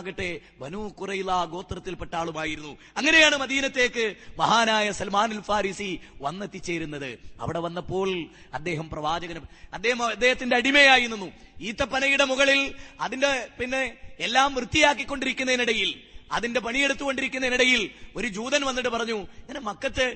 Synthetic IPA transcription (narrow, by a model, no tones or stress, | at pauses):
ɣɐʈːe̞ | bɐnuːkurɐjilːaɡo̞ːt̪rɐt̪ːilpeʈːaːɭumaːjiɾunːu | ɐŋːɐne̞jaːɳɨmɐðiːnɐt̪ːe̞ːkːɨmɐɦaːnaːjɐsɐlmaːnɐlfaːɾiːsiʋɐnːet̪ːit͡ɕːe̞ːɾunːɐðɨɐ̰ʋiɽe̞ʋɐnːɐpːo̞ːɭ | ɐd̪ːe̞ːɦɐmprɐʋaːd͡ʑɐɣɐnɐd̪ːeːhɐmɐd̪ːe̞ːhɐt̪ːindeɐɽime̞jaːjinunːuiːt̪ːɐpːɐnɐjuɽe̞muɣɐɭilɐðinde̞pinːe̞ːlːaːmʋrɨt̪ːijaːk̬ːikʲːo̞ɳɖiɾikʲːunːɐeniɽɐjilɐ̰ðinde̞pɐɳije̞ɽut̪ːuɣo̞ɳɖiɾikʲːunːɐeniɽɐjilo̞ɾud͡ʑuːðɐnʋɐnːiʈ̬ːɨpɐrɐɲːuŋɐnemɐkːɐt̪ːɨ